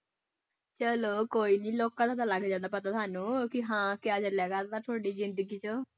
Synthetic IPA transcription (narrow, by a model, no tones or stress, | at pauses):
t͡ʃəloːkoːiːnĩːloːkãːt̪ʰaːt̪aːlaɡd͡ʒãːnd̪aːpət̪aːt̪ʰaːnũːkɪɦãːkɪaːt͡ʃəlɛːɡaːd̪aːt̪ʰoːɽiːzɪ̃nd̪əɡiːt͡ʃə